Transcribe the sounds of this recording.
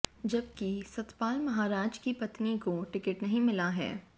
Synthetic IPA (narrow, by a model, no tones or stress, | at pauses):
d͡ʒɐb̚kisɐt̪paːlmɐɦaːɾaːd͡ʒkipɐt̪nikoʈɪkɪʈnɐɦĩmɪlaɦɛ̰ː